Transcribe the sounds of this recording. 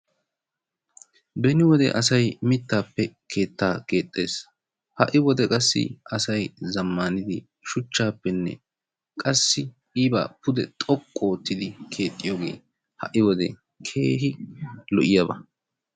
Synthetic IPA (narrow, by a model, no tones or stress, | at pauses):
bɛnɪwɔd̪ɛ̰ʔɐsɐjmɪt̪ːaːpːɛkʰe̞ːt̪ːaːke̞ːt̪ʼːe̞ːs | hɐ̰ʔɪwɔd̪ɛkʼɐsːɪ̰ɐsɐjzɐmːaːnɪd̪ɪ | ʃʊt͡ʃːaːpːɛnːɛ̰ | kʼɐsːɪ | iːba̰ːpʊd̪ɛt̪ʼɔkʼːo̞ːt̪ːɪd̪ɪkʰe̞ːt̪ʼːɪjɔɡe̞̰ː | hɐ̰ʔɪwɔd̪ɛ̰ | kʰe̞ːɦɪlɔʔɪjɐbɐ̰